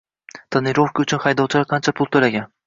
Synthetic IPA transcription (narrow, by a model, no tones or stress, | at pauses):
t̪ʰanɪɾofkʰaʊt͡ʃʰʊnχɑjd̪ɒwˠt͡ʃʰɪlaɾqʰɑnt͡ʃʰapʰʊlˠt̪ʰolaɡʲan